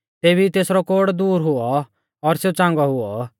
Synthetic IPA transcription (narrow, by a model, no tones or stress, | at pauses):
t̪eːbit̪eːsɾɔkoːɽd̪uːɾɦʊɔ | ɔɾseːt͡sãːŋɡɔɦʊɔ